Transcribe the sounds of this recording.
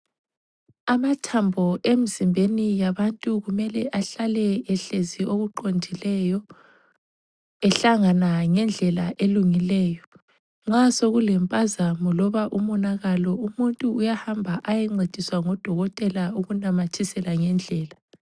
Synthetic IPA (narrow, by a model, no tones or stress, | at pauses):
amatʰambʱɔʔemizimbʱenijaβantʼuɣumɛlɛʔaɬalɛɛɬezioɣuǃondʱilɛjɔ | ɛɬaŋanaŋɛnd͡ɮʱɛlaʔeluŋilɛːjɔ | ŋ͡ǁasoɣulɛmpʼazamɔlɔβaʔumɔnaɣalɔumuntʼuːjahambʱaʔajɛŋ͡ǀed̥ʱiswaŋɔd̥ʱɔɣɔtʼɛlauɣunamatʰisɛlaŋɛnd͡ɮʱɛːla